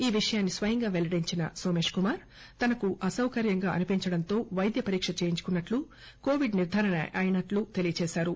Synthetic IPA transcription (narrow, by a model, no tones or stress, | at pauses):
iːʋiʂɐjaːnːisʋɐjɐŋɡaːʋeɭɐɽiɲt͡ʃinɐ̰so̞ːme̞ːʂkumaːɾ | t̪ɐnɐkuʔɐsɐwkɐɾjɐŋɡaːɐ̰nipiɲt͡ʃɐɽɐnt̪o̞ːʋɐjd̪jɐpɐɾiːkʂɐt͡ʃeːjiɲt͡ʃu̥kunːɐʈlu | koːʋiɖniɾd̪ʱaːɾɐnɐɐjinɐʈlut̪e̞lijɐt͡ʃɛːʃaːɾu